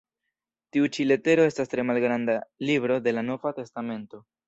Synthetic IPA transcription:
tiut͡ʃile̞te̞ɾo̞e̞stastɾe̞malɡɾandalibɾo̞de̞lano̞vate̞stame̞nto̞

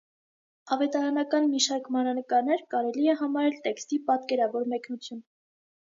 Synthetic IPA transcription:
ɑvɛt̪ɑɾɑnɑkɑnmiʃɑɾkmɑɾɑnəkɑɾnɛɾkɑɾɛliɛɦɑmɑɾɛlt̪ɛkst̪ipɑt̪kɛɾɑvɔɾmɛknut͡sʰjun

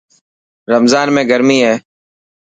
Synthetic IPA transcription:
ɾəmzaːnmẽːɡəɾmiːɦɛː

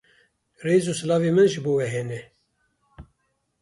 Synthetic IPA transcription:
reːzuːsɨlɑːveːmɨnʒɨboːwɛɦɛnɛ

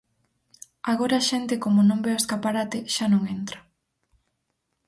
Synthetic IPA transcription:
aɣoɾaːʃɛnt̪ɪkomonõŋbeoeskapaɾat̪ɪʃanõŋent̪ɾɐ

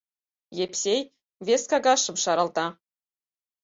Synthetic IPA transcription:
jepsʲej | vʲeskɑɡɑʃɤ̆mʃɑɾɑlˠt̪ɑ

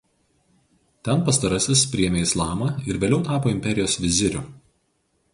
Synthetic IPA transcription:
t̪ʲɛnpɐst̪ɐɾɐsʲɪspʲɾʲɪɛːmʲeːɪslˠɑːmɐɪɾʋʲeːlʲɛʊt̪ɑːpoːɪmʲpʲɛɾʲɪjoːsʋʲɪzʲɪɾʲʊ

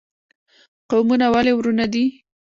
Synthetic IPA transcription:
qawmunawalewɾunad̪i

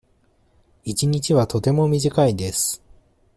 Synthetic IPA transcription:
it͡ɕiɲ̟it͡ɕiβat̪o̞t̪e̞mo̞mʲiʑikaid̪e̞sɨ̥

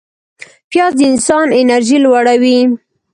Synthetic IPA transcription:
pjɑzd̪əɪnsɑnɪnaɾʒilwaɽawi

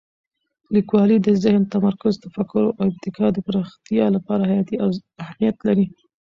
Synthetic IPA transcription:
likwɑlid̪əzɪhnt̪amaɾkʊzt̪afakʊɾoʔaɪb̚t̪ɪkʰɑd̪əpaɾɑxt̪ijɑlapɑɾahajɑt̪iaahmijat̪laɾi

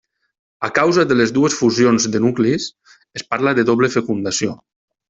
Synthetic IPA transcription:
akawzaðələzðuesfuzjonzðənuklis | espaɾlaðəðoβləfekund̪asio

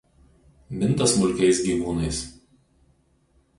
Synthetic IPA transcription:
mʲɪnˑt̪ɐsmʊlʲkʲɛɪsɡʲiːʋuːnɐɪs

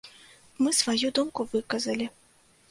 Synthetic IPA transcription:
mɨsvajud̪umkuvɨkɐzɐlʲi

